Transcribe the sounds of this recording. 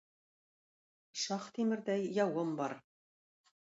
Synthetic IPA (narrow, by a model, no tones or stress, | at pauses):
ʃɑχt̪imɘ̆ɾd̪æjːɑwɤmbɑɾ